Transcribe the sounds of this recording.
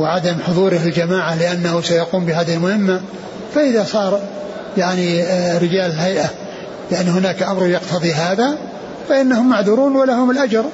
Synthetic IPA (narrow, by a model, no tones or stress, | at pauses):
wɪʕad̪amħʊðˤuːɾɪhɪld͡ʒamaːʕalɪʔanːahusajaquːmbɪɦaːðɪhlmʊhɪmːa | faʔɪðasˤɑːɾˤ | jaʕniɾɪd͡ʒaːlɪlɦajʔa | lɪʕaniɦʊnaːkʔamɾˤjɑqt̪ʰɑðˤiɦaːða | faʔɪnːahʊmːaʕðuːɾuːnwalaɦʊmɪlʔad͡ʒɑɾˤ